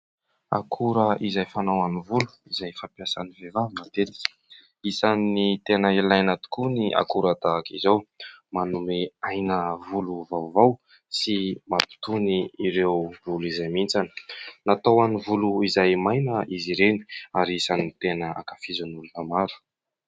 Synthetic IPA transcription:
a̰kʰuɾəʔizajfanawanivulu̥izajfapjasanivevavmat̪et̪i̥ | isanit̪enəelajnat̪u̥kuniʔa̰kuɾad̪akizowmanumeajnəvuluvawvaw | simapi̥t̪uniːɾewvuluizajmint͡sanə̥nat̪awanivuluizajmajnəiziɾeni̥aɾiisanit̪enəa̰kafizunulunamaɾu̥

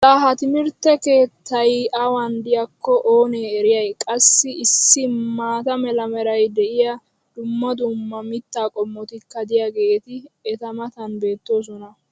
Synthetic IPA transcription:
t̪ɐɦɐt̪ɪmɪɾt̪ːɛke̞ːt̪ʰːɐjɐwɐnd̪ɪjɐkːɔʔoːneːɛɾɪjɐjkʼɐsːɪɪsːɪmaːt̪ɐmɛlɐmɛɾɐjd̪ɛʔɪjɐ | d̪̥ʊmːɐd̪ʊmːɐmɪt̪ːaːkʼɔmːɔt̪ɪkːɐd̪ɪjaɡe̞ːt̪ɪɛt̪ɐmɐt̪ɐnbe̞ːt̪ːo̞ːs̬ɔnɐ

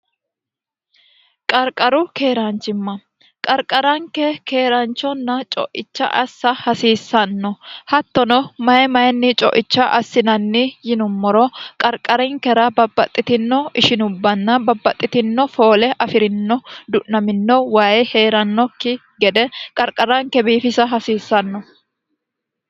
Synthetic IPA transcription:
kʼɐɾkʼɐɾʊkeːɾɐnt͡ʃːɪmːɐ | kʼɐɾkʼɐɾɐŋkɛkeːɾɐnt͡ʃːɔnːɐt͡ʃʼɔ̰ʔɪt͡ʃːɐ̰ʔɐsːɐhɐsiːsːɐnːɔhɐt̪ːɔnɔmɐjɛmɐjɛnːɪt͡ʃʼɔ̰ʔɪt͡ʃːɐʔɐsːɪnɐnːɪjɪnʊmːɔɾɔkʼɐɾkʼɐɾɪŋkɛɾɐbɐbːɐt̪ʼːɪt̪ɪnːɔɪʃɪnʊbːɐnːɐbɐbːɐt̪ʼːɪt̪ɪnːɔfo̞ːlɛʔɐfɪɾɪnːɔd̪ʊʔnɐmɪnːɔwaːjɛheːɾɐnːɔkːɪ | ɡɛd̪ɛkʼɐɾkʼɐɾɐŋkɛbiːfɪsɐɦɐsiːsːɐnːɔ

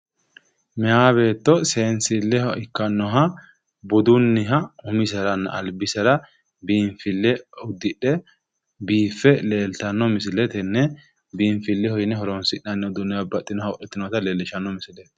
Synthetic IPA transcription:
mɛaːbe̞ːt̪ːɔseːnsɪlːɛhɔɪkːɐnːɔɦɐ | bʊd̪ʊnːɪɦɐʊmɪsɐɾɐnːɐ̰ʔɐlbɪsɐɾɐ | biːɱfɪlːɛʊd̪ːɪᶑɛ | biːfːɛle̞ːlt̪ɐnːɔmɪs̬ɪlɛt̪ɛnːɛ | biːɱfɪlːɛhɔjɪnɛɦɔɾɔnsɪʔɐnːɛʊd̪ʊnːɛhɐbɐt̪ʼːɪnɔhɐɔʔɛt̪ːɪnɔt̪ɐleːlːɪʃɐnːɔmɪsɪlɛt̪ɛ

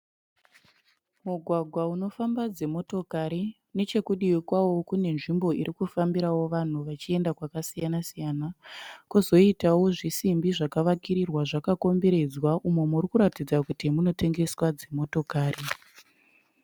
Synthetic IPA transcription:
muɡʱwaɡʱwauno̞fambad͡ze̞mo̞to̞kaɾi | ne̞t͡ʃe̞kuɗiwikwawo̞kune̞nʐimbo̞iɾikufambiɾawo̞ʋan̤uʋat͡ʃie̞ndakwakasijanasijanakuzo̞itawo̞ʐisimbiʐakaʋakiɾirwaʐakako̞mbe̞ɾe̞d͡zwaʔumemurikuɾatid͡zakutimuno̞te̞ŋɡe̞swad͡ze̞mo̞to̞kaːri

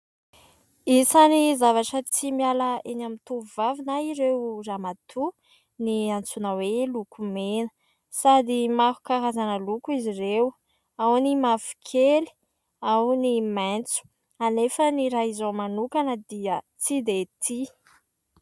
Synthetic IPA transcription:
isanizavaʈ͡ʂət͡simialəenamint̪uvuvavinaiɾewramat̪ʰu | niant͡sunəwelukumenə | sad̪imaɦu̥kaɾazanəlukuizirew | awnimafi̥kʰeli̥ | awniment͡su̥ | anefəniɾaizomanukanəd̪iə | t͡sid̪et̪ʰi

